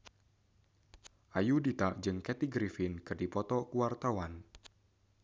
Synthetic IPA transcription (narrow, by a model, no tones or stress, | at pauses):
ʔajudit̪aʔd͡ʒɨŋkɛt̪iɡɾifɪnkɨrdipɔt̪ɔkuwart̪awan